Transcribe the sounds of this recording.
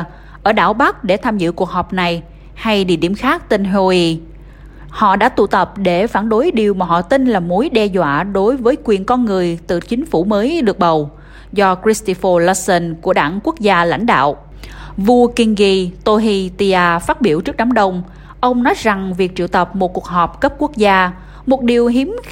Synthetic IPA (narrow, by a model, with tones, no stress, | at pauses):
ʔəː˧˩ɗa̰ː˧˩wɓa˦˥k̚ɗe˧˩t̪ʰaː˧mzɨ̰˧˨ku˨˩ək̚ɦɔ˨˩p̚na˨˩j | ha˧jɗḭ˧˨əɗḭ˧˩əmxaː˦˥k̚t̪i˧ŋnɦo˧i˧ | hɔ̰˧˨ɗa̰ː˧˥t̪ṵ˧˨t̪ə˨˩p̚ɗe˧˩faː˧˩nɗo˨˦jɗi˨˩əwmaː˨˩ɦɔ̰˧˨t̪ï˧n̟laː˨˩mu˨˦jɗɛ˧zwa̰ː˧˨ɗo˨˦jvəː˨˦jkwi˨˩ənkɔ˧nŋɨ˨˩əjt̪ɨ̰˧˨t͡ɕï˨˦ŋ̟fu˧˩məː˨˦jɗɨ˨˩ək̚ɓə˨˩w | zɔ˧kɾi˦˥st̪i˧fə˧lɔ˧˦sə˧nku˧˩əɗaː˧˩ŋku˦˥k̚zaː˧la̰˧˩jŋ̟ɗa̰ː˧˨w | vu˧əki˧nɣi˧t̪o˧ɦi˧t̪i˧ʔaː˧faː˦˥t̚ɓi˧˩əwt͡ɕɨ˦˥k̚ɗa˨˦ŋ͡mɗə˧wŋ͡m | ʔə˧wŋ͡mnɔ˨˦jza˨˩ŋvi˨˩ək̚t͡ɕḭ˧˨əwt̪ə˨˩p̚mo˨˩t̚ku˨˩ək̚ɦɔ˨˩p̚kə˦˥p̚ku˦˥ək̚zaː˧ | mo˨˩t̚ɗi˨˩əwɦi˨˦m